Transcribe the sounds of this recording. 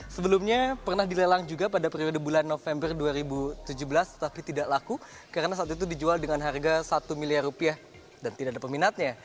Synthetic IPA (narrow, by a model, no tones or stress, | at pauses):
səbəlumɲapərnahdilelaŋd͡ʒuɡapadapəɾiodəbulanːofɛmbərduaɾibut̪ud͡ʒuhbəlast̪ə̥t̪apit̪idaʔlaku | kaɾənasaːt̪it̪̬udid͡ʒualdəŋanɦarɡasat̪umiliarupiah | dant̪idaʔadapəminat̪̚ɲa